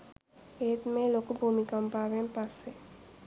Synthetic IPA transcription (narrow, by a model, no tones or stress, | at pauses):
eːt̪meːloːkubʱuːmikɐmpaːʋempɐsːe